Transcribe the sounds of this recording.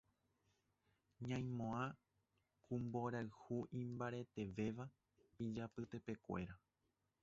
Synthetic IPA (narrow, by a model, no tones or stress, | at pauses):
ɲãj̃mõã | kʰũmbo̞ɾaɨhuʔĩmbaɾe̞t̪e̞ʋe̞ʋa | id͡ʒapɨt̪e̞pe̞kʷe̞̰ɾa